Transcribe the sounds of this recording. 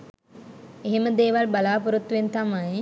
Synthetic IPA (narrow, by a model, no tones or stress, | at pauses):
eɦeməd̪eːʋalbalaːpuɾut̪ːuʋent̪amaj